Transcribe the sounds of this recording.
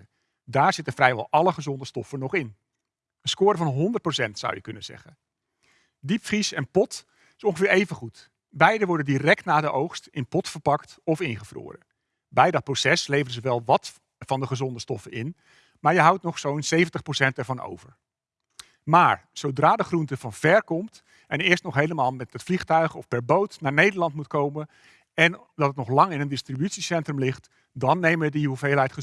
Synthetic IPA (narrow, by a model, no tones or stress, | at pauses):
daːɹz̥ɪtənvrɛjʋɛ̰lˠʔɑləχəzɔndəstɔfənɔχɪn | ənskʊːɾəvɑnɦɔndərt̚prosɛntsʌ̰wjəkɵnənzɛ̰χən | dipfrisɛnpɔt | ɪsɔ̃ŋχəvɪːɹejvənχut | bɛjdəʋɔɹdəndirɛk̚tnaːdəʔowχstɪnpɔtfəɹpɑktɔfɪnχəvro̰ːrə̰ | bɛjdɑt̚prosɛslejvərəzəʋɛlˠʋɑt | fɑndəχəzɔndəstɔfəɪ̰n | maːɹjəɦʌwtnɔχsownsejvəntəχprosɛntɛɹvɑno̰wvə̰ɹ | maːɹsowdraːdəχruntəv̥ɑnv̥ɛɹkɔmt | ɛnɪːɹstnɔχɦejləmaːlˠmɛtətfliχtœɥχɔfpɛɹbowtnaːɹnejdəɹlɑntmutkowmə | ɛn | dɑtətnɔχlɑŋɪnəndɪstribytsisɛntrəmlɪχt | dɑnːejməədiuvejlˠɦɛjtχə